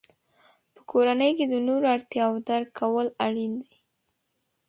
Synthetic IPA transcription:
pə̥kʰoɾanəjked̪ənoɾaɾt̪jɑwd̪aɾkʰːawəlaɽind̪aj

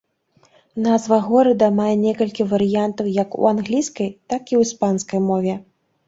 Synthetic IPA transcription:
nazvɐɣɔɾɐd̪ɐmajɛnʲɛkɐlʲkʲivɐɾɨjant̪ɐwjɐkṵanɣlʲijskɐjt̪akiwspanskɐjmɔvʲɛ

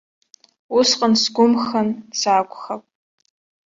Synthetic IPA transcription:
ʊsqʼənsɡʷʊmxɐnsaːkʷʼxɐpʼ

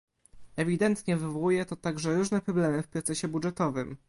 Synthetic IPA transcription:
ɛvʲid̪ɛnt̪ɲɛvɘvɔwujɛt̪ɔt̪aɡʐɛɾuʐnɛpɾɔblɛmɘfpɾɔt̪sɛɕɛbudʐɛt̪ɔvɘm

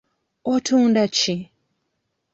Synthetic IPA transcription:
otʰuːndat͡ʃi

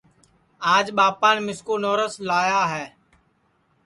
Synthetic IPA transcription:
aːd͡ʒɓaːpãːnːmɪskoːnoːɾəslaːjaːɦɛː

